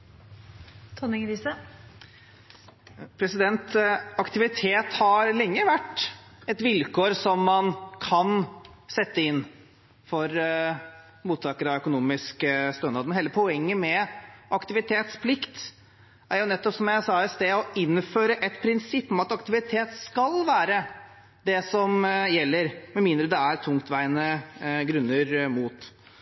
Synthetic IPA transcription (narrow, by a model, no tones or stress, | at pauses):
t̪ʰɔnɪŋɾiːsə | pʰɾɛsɪd̪ɛnt̪ɑkt̪ɪʋɪt̪ʰeːt̪hɑɾlɛŋːəʋæʈːɛt̪ʋɪlkʰoːɾsɔmːɑnkʰɑnsɛt̪ːəɪnː | fɔɾ | muːt̪ʰːɑːkəɾəɑœkʊnuːmɪskəst̪øːnɑːd̪mənheːləpʰɔɛŋːəmɛʔɑkt̪ɪʋɪt̪ʰeːt̪spʰlɪkt̪ | ʔæɾjʊnɛt̪ːɔpsɔmjæɪsɑːɪst̪eːɔɪnføːɾəʔɛt̪pʰɾɪnsɪpːɔmɑt̪ɑkt̪ɪʋɪt̪ʰeːt̪skɑlʋæːɾə | d̪ɛsɔmjɛlːəɾmɛmɪːnd̪ɾəd̪ɛæɾt̪ʰʊŋkt̪ʋæɪənəɡɾʉnːəɾmuːt̪